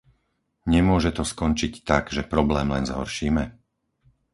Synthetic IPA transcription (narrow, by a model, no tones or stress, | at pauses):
ɲɛmʊɔʒɛt̪ɔskɔnt͡ʃict̪aɡʒɛpɾɔblɛːmlɛnzɦɔ̰ɾʃiːmɛ